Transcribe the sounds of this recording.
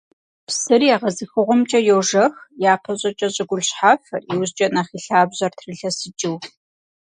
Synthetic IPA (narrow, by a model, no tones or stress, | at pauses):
psɨrijaːʁɐzɨxɨʁʷɔmt͡ʃʼɐjoːʒɐxjaːpʰɐɕʼɐt͡ʃʼɐɕʼɪɡʷʊɮɕħaːfɐriwzt͡ʃʼɐnaχiːɬaːbʑɐrtʰrɨɬɐsɨt͡ʃʼɪw